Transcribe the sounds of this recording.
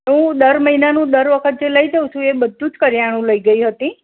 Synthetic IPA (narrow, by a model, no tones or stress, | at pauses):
ɦũd̪əɾməɦinanũd̪əɾʋəkʰət̪̚d͡ʒeləid͡ʒəũt͡ʃʰũebəd̪ʱːũd͡ʒkəɾjaɽ̃ũləiɡəiɦət̪ĩ